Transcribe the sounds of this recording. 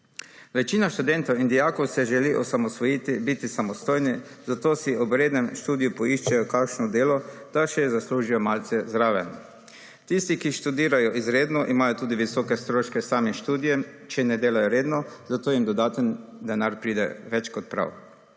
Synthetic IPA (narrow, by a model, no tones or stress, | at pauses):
ʋɛt͡ʃiːnaʃt̪ud̪ɛnt̪ɔwind̪ijaːkɔwsɛʒɛliʔɔsamɔsʋɔjit̪ibit̪isamɔst̪ojni | zat̪oːsiɔbɾeːd̪nɛmʃt̪uːd̪ijupɔiʃt͡ʃajɔkakʃnɔd̪eːlɔd̪̥aʃɛɛzasluːʒijɔmaːlt̪sɛzɾaːʋɛ | t̪ist̪ikiʃt̪ud̪iːɾajɔʔizɾeːd̪nɔʔimaːjɔt̪uːd̪iʋisɔkɛst̪ɾoːʃkɛsaːmimʃt̪uːd̪ijɛmt͡ʃɛnɛd̪eːlajɔɾeːd̪nɔzat̪oːjimd̪ɔd̪aːt̪ənd̪ɛnaɾpɾiːd̪ɛ̰ʋɛt͡ʃkɔt̪̚pɾa̰w